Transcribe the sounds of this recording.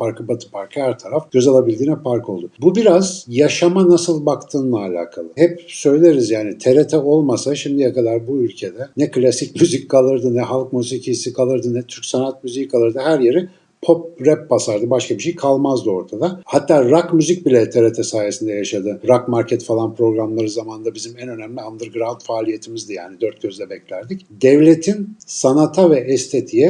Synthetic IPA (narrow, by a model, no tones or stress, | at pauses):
pʰaɾkʰɯbat̪ʰɯ̥pʰaɾkʰɯhæɾt̪ʰaɾafɟ̥øzalˠabilʲd̪iːnɛpaɾko̞lˠd̪uʊbubiɾazjaʃamanasɯlˠbakt̪ʰɯːnlˠaːlʲa̰ːkʰalˠɯhɛp̚sø̞jlʲeɾizjaːnit̪ʰe̞ɾet̪ʰɛo̞lˠmasaʃimd̪ijakad̪aɾbuylʲcʰe̞d̪ɛnɛklʲasicmyzickʰalˠɯɾd̪ɯnɛɦalˠkmyzicijsikʰalˠɯɾd̪ɯnɛt̪ʰyɾcsanat̪̚myzijikʰalˠɯɾd̪ɯɦæɾje̞ɾi | pʰo̞p̚ɾɛp̚basaɾd̪ɯbaʃkʰabiʃejkʰalˠmazd̪ɯo̞ɾt̪ʰad̪ahat̪ʰːaːɾakmyzic̚bilʲɛt̪ʰeɾet̪ʰɛsaːjesind̪ɛjaʃad̪ɯɾakmaɾcʰɛt̪falˠanpɾo̞ɡɾamlˠaɾɯzamanɯnd̪abizimɛnø̞næmlʲiand̪ɯɾɡɯɾant̪faːlʲije̞t̪ʰimizd̪ɯjaːnid̪øɾt̪̚ɟ̥ø̞zd̪ʲɛbɛclʲæɾd̪ic | d̪ɛvlʲe̞t̪ʰinsanat̪ʰavɛʔɛst̪ʰe̞t̪ʰijɛ